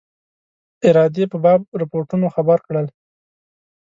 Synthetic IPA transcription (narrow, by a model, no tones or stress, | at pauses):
ɪɾɑd̪epəbɑb̚ɾɪpoɾʈunoxabaɾkɽəl